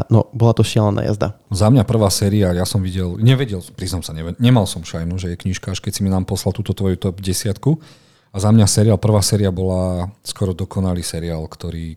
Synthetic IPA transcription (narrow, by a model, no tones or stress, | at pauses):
nɔ̰bɔlat̪ɔʃɪɛlɛnʔa̰ja̰zd̪a̰zamɲapr̩ʋaːsɛːɾiajasɔmʋiɟɛlɲɛʋɛɟɛlpɾiznɔmsaɲɛʋɛɲɛmalsɔmfʃajnuʒɛjɛkɲiːʃkaaʃkɛcsiminaːmpɔslalt̪uːt̪ɔt̪ʋɔjut̪ɔbɟɛsɪat̪ku | azamɲasɛɾiaːlpr̩ʋaːsɛːɾiabɔlaskɔɾɔd̪ɔkʰɔnaliːsɛɾiaːlkt̪ɔɾiː